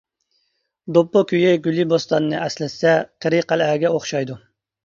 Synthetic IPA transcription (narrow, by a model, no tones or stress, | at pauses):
d̪opːokʲʰyjɪɡʲylibost̪ɑnɨnɨʔɛslɪɛqʰəɾɨqælæɡʲɛoχʃɑjd̪u